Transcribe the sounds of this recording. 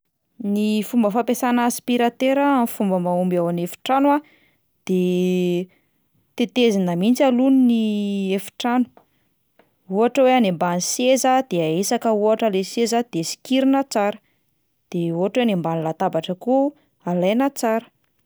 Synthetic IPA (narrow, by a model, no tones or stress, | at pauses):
nifumbəfapesanːspiɾat̪eɾaamifumbəmaumbawanefi̥ʈ͡ʂanwa | d̪̥e | t̪et̪ezinəmint͡saluniniefi̥ʈ͡ʂanu̥ | uɦaʈ͡ʂəweanembanisezad̪̥eaesakəuaʈ͡ʂəlesezad̪̥esi̥kiɾinət͡saɾə̥ | d̪̥euɦaʈ͡ʂwenimbanilat̪abaʈ͡ʂəku | alajnət͡saɾə̥